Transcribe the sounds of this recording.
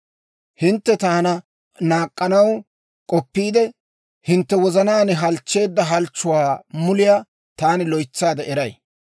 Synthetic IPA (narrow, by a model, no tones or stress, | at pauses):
hɪnt̪ːɛt̪aːnɐ | naːkʼːɐnɐw | kʼɔpːiːd̪ɛ | hɪnt̪ːɛwɔzɐnaːnɛɦɐlt͡ʃːe̞ːd̪ːɐɦɐlt͡ʃːʊwaːmʊlɪjaː | t̪aːnɪlɔjt͡sːaːd̪ɐʔɛɾɐj